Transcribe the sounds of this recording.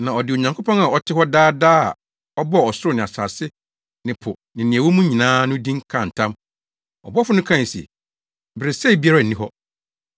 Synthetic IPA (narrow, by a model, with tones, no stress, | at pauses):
nã˨ɔ˨dɪ˨o˨ɲã˨ŋkʰo˦pɔ̃˦na˨ɔ˨tʰɪ˦hɔ˦daː˦daː˦a̰˨ | ɔ˦bɔ˦˨ɔ˨sʊ˦ɾʊ˦˨nɪ̃˨a˨sa̰ː˨sɪ˦ | nɪ̃˨pʰʊ˨ | nɪ̃˨nɪ̃˨æ˨wɔ˦mũ˦ɲĩ˨nãː˦nʊ̃˦dĩ˦ŋ˦kʰã˨n̩˨tʰã˦m | ɔ˨bɔ˦fʊ˦nʊ̃˦kʰã˦˨n˨sḛ˨ | bɪ˨ɾɪ˨sɛ˦i˨bi˦a˦ɾa˦˨n̩˨nĩ˦ɦɔ˦